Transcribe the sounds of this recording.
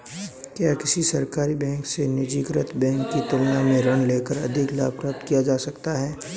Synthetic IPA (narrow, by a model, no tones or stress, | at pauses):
kjaːkɪsisɐɾkaːɾibɛ̃ːŋksenɪd͡ʒiːkɾət̪bɛ̃ːŋkːit̪ʊlnamẽɾɐñleːkəɾɐ̰d̪ʱɪkla̰ːpɾəp̚t̪kijad͡ʒaːsɐkt̪aɦɛː